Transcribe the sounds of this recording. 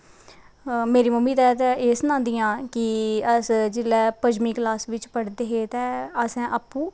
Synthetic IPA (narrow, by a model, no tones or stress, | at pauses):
meːɾiːməmiːt̪ɛːt̪ɛːʔeːsənãːnd̪ijãːkɪəsd͡ʒɪlɛːpəd͡ʒmiːklaːsʋɪt͡ʃpəɽd̪eːɦeːt̪ɛːəsɛ̃ːʔəːpːũː